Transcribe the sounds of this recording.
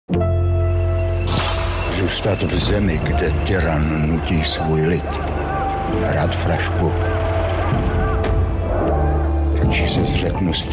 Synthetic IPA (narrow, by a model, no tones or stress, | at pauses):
ʒɛst̪at̪vzɛmɪɡdɛt̪ɛɾannucisvujlɪt̪ | ɦɾat̪fɾaʃku | ɾot͡ʃɪsɛzrɛknust̪